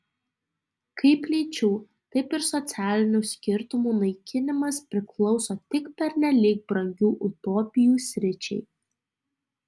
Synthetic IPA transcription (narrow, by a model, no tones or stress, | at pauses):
kʰɐɪpʲlʲiːt͡ʃʲuː | t̪ɐɪpɪɾsɔt̪sʲæːlʲɪnʲuːsʲkʲɪɾt̪ʊmuːnɐɪkʲɪnʲɪmɐspʲɾʲɪklˠɒʊsoːt̪ʲɪkpʲɛɾʲnʲɛlʲik̚bɾɐŋʲɡʲuːʔʊt̪oːpʲɪjuːsʲɾʲɪt͡ʃʲɛ̰ɪ